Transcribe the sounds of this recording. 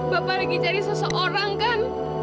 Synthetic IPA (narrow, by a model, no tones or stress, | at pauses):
b̥apalaɡit͡ʃaɾisəsəʔoɾaŋkan